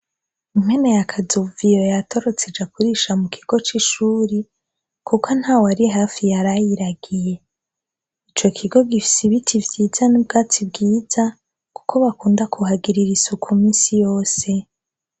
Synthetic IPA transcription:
im̥enejakʰazuvijojatʰo̞ɾo̞t͡sed͡ʒakuɾiːʃamukʰiɡ̥o̞t͡ʃiʃuːɾi | kʰukʰon̥haːwaɾiɦaːfijaɾajiɾaɡije̞ | it͡ʃo̞kʰiɡo̞ɡifi̥siβitʰivjiːz̥anub̚ɡaːt͡sib̚ɡiːza | ku̥kʰo̞βakuːndakʰuɦaɡiɾiɾisukʰumiːnsijo̞ːse̞

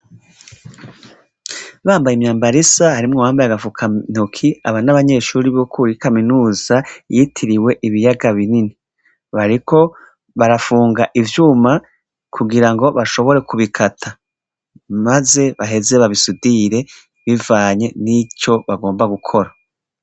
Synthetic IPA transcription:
βaːmbajimɲaːmbaɾisahaɾimŋowaːmbajaɡavukʰan̥ukʰia̰βanaβaɲe̞ʃuːɾiβokʰuːɾikaminuːzajitʰiɾiwe̞ʔiβijaɡaβinini | βaɾikʰo̞ | βaɾafuːŋɡaʔivjuːma | kʰuɡiɾaŋɡo̞βaʃo̞βo̞ɾe̞kuβikʰatʰa | maze̞βaɦe̞ze̞βaβisudiɾe̞ | βivaːɲe̞nico̞βaɡo̞ːmbaɡukʰo̞ɾa

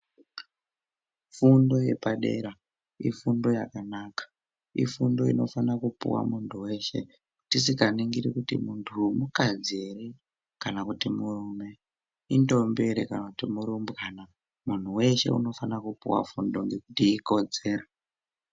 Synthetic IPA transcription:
fundo̞je̞̰paɗe̞̰ɾa | ifundo̞jakanaːkḁ | ḭfundo̞ino̞fanakupṵwa̰muntʰuwe̞ʃe̞̰ | tis̬ikaniŋɡiɾikutḭmuntʰumukad͡zere | kanakutimurume̞ | indo̞mbe̞ɾekanakutimuɾumbkaːna | mun̤uwe̞ʃe̞̰ṵno̞fanakupṵwa̰fundo̞ŋɡe̞kutiiko̞d͡ze̞ːɾa

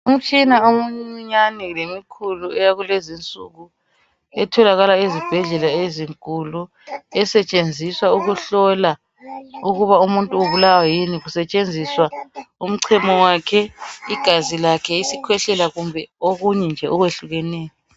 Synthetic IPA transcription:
um̩t͡ʃʼinaomuɲiɲanɛlemikʰuluɛjaɣulezint͡sʼṵɣu | ɛtʰɔlaɣalaezib̥ʱɛɮɛlaeziŋkʼulu | ɛsɛt͡ʃʼend͡zʱiswauɣuɬɔla | uɣuβaumuntʼuuβulawajiniɣusɛt͡ʃʼend͡zʱiswaum̩ǀʰɛmɔwaːkʰɛiɡ̥ʱazilakʰɛisikʰwɛɬɛlaɣumbʱɛoɣuɲɛnd͡ʒʱɛʔɔɣweɬuɣɛnɛːjɔ

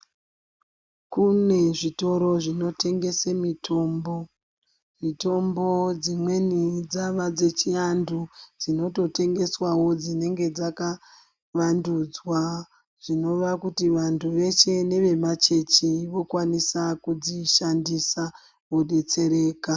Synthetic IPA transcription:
kune̞ʐito̞ɾo̞ʐino̞te̞ŋɡe̞semitʰo̞mbo | mito̞mbod͡zimwe̞nid͡zaʋad͡ze̞t͡ʃiandud͡zino̞to̞te̞ŋɡe̞swawo̞d͡zine̞ŋɡe̞d͡zaka | ʋandud͡zwa | ʐ̥ino̞ʋakutiʋantʰuʋe̞t͡ʃe̞ne̞ʋe̞mat͡ʃe̞t͡ʃiʋo̞kwanisakud͡ziʃandisa | uɗet͡se̞ɾe̞ːka

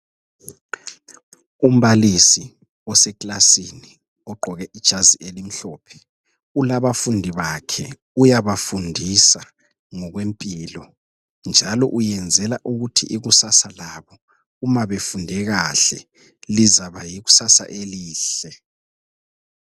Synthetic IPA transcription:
um̩βalisi | ɔsɛklasini | ɔɡ͡ǃʱɔɣɛʔid̥ʒ̥ʱaziʔelim̩ɬɔːpʰɛ̥ | ulaβafundʱiβakʰɛ | ujaβafundʱisa | ŋɔɣwempʼilɔ | nd͡ʒʱalɔʔujɛnd͡zʱɛlaʔuɣutʰḭʔiɣusasalaβɔ | umaβefundʱɛɣaɬɛ | lizaβajiɣu̥sasa̰ʔeliːɬɛ

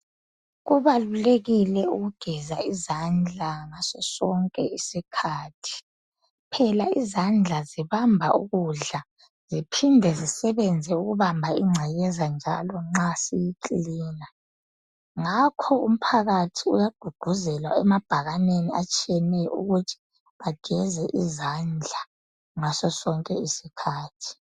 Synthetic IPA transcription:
ɣuβaluleɣilɛuɣuɡ̥ʱɛzaizand͡ɮʱaŋasɛsɔŋkʼɛisikʰaːtʰi̥ | pʰɛlaizand͡ɮʱaziβambʱa̰ʔṵɣuɮa | z̥ipʰindʱɛzisɛβɛnd͡zʱɛuɣuβambʱaiŋ͡ǀʱajɛzand͡ʒʱalɔŋ͡ǁasijikʼiːna | ŋakʰɔṵm̩pʰaɣatʰiṵjaɡ̥ʱuɡ̥ʱuzɛlwa̰ɛmab̥ʱaɣaneniat͡ʃʼiɛnɛṵɣutʰi̥ | βaɡ̥ʱɛzɛʔizand͡ɮʱa | ŋasɔsɔŋkʼɛisikʰaːtʰi̥

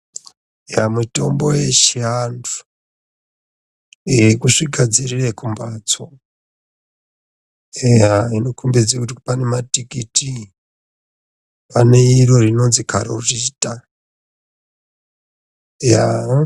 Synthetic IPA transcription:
jamuto̞mbo̞je̞ʃiandu̥ | ekuʂikʰad͡zirirekumbat͡so | ejaino̞kumbed͡zekutipane̞matikiti | pane̞iro̞rino̞nzikʰaɾoutita | ja

